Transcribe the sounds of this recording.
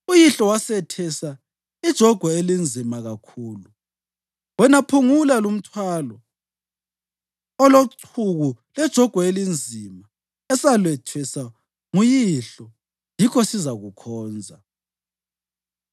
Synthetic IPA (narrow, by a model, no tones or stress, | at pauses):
ujiɬɔwasɛtʰɛsa | id̥ʒ̥ʱɔɡ̥ʱwɔelind͡zʱimaɣakʰuːlu | wɛnapʰuŋulalum̩tʰwalɔ | ɔloǀʰuɣu | lɛd̥ʒ̥ʱɔɡ̥ʱwɔelind͡zʱima | ɛsalwɛtʰwɛsa | ŋujiɬɔ | jikʰɔsizaɣukʰɔːnd͡zʱa